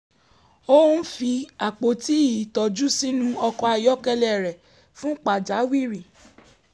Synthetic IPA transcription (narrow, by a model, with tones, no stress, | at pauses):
o˦fi˧a˨k͡po˨˦ti˨˦i˨tɔ˨d͡ʒu˦si˦nũ˦ɔ˧kɔ˧a˧jɔ˦kɛ˧lɛ˦˨ɾɛ˨ | fũ˦k͡pa˨d͡ʒa˨˦wi˦˨ɾi˨